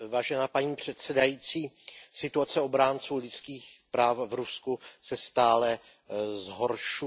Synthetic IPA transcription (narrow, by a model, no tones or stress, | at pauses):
vaːʒɛnaːpaɲiːpr̝̥ɛt̪sɛdajiːt͡siː | sɪt̪uat͡sɛo̞bɾaːnt͡suːlɪt͡skiːxpɾaːfvɾuskusɛst̪aːlɛ | zɦo̞ɾʃu